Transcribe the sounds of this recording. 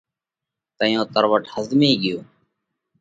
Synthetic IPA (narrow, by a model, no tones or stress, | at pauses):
t̪əjõːt̪əɾʋəʈhəzd̪mĩːɡɪjoː